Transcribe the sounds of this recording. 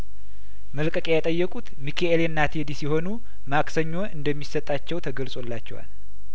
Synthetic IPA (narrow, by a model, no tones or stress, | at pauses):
məlkʼəkʼejat̪ʼəjːɛkʼut̪mikʰeelenːat̪ʰed̪isjɛho̞nu | makʼsəɲːo̞ʔɨnd̪əmːisət̪ʼːat͡ʃːɛwt̪ʰəɡəlsʼo̞lːat͡ʃːɛwa̰l